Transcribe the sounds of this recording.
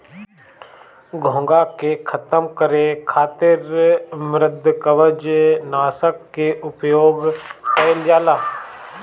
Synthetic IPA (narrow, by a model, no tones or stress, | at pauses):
ɡʱõːŋɡakekʰət̪əmkəɾekʰaːt̪ɪɾmɾɪd̪ʱkəʋəd͡ʒnaːsəkːeʔʊpjoːɡpəjljaːlaː